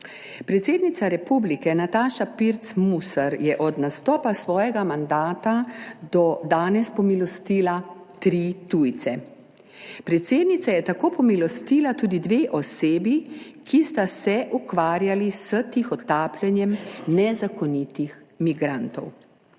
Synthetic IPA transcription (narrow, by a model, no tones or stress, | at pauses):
pɾɛt̪seːd̪nit̪saɾɛpublikɛnat̪aːʃapiɾt̪smusaɾjɛʔɔd̪nast̪ɔːpasʋɔːjɛɡamand̪aːt̪ad̪ɔd̪aːnɛspɔmilɔst̪iːla | t̪ɾit̪ujt̪sɛ | pɾɛt̪seːd̪nit̪sajɛt̪akoːpɔmilɔst̪iːlat̪uːd̪id̪ʋeːʔɔseːbikʰist̪asɛʔukʋaːɾjalisət̪ixɔt̪aːplʲɛnjɛmnɛzakɔnit̪ixmiɡɾaːnt̪ɔw